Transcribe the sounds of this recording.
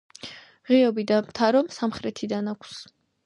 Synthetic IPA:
ʁiɔbid̪amt̪ʰaɾɔmsamχɾɛt̪ʰid̪anakʷʰs

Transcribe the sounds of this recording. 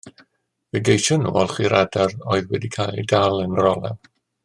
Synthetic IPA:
vɛɡejʃɔnːṵːɔlˠχiɾʔadarɔɨðwɛdikʰalˠidalˠənrɔlˠɛ̰v

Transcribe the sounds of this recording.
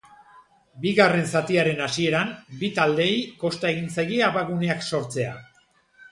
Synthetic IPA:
biɣare̞nsat̪iaɾe̞nasie̞ɾambit̪ald̪e̞jko̞st̪ae̞ɣint͡saɣiaβaɣune̞akso̞ɾt͡se̞a̰

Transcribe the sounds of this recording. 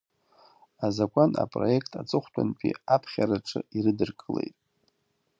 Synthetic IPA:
azakʷʼana̰pʼro̞je̞kʰtʰat͡sʼɨχʷtʼʰanpʼiapʰχʲaɾaʈ͡ʂʼʰɨiɾɨdɨrkʼɨle̞jtʼ

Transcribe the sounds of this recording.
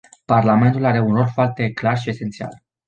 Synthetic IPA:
parlame̞nt̪ulaɾe̞unro̞lfoart̪e̞klarʃie̞se̞nt̪sia̰l

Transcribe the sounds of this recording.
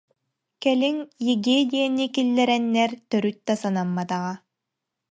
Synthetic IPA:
kɛliŋjiɡed̪ʲiɛnikilːɛɾɛnːɛɾt̪œɾyt̪̚d̪asanamːat̪aʁa

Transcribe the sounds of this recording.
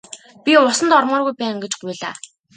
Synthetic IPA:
pʲiʊsə̆nt̪ɔɾmɔːrɣujpæːŋɡet͡ɕɡujɮa̰ː

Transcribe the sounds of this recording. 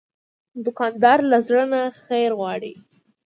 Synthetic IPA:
d̪ʊkɑnd̪ɑɾlazɽənaxejɾɣwɑɽi

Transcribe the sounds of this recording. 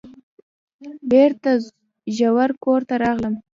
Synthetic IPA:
beɾt̪a | ʒawaɾkoɾt̪aɾɑɣləm

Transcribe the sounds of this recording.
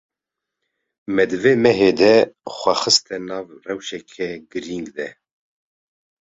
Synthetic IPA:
mɛd̪ɨveːmɛɦeːd̪ɛxʷɛxɨst̪ʰɛnɑːvrɛwʃɛkʰɛɡɨɾiŋɡd̪ɛ

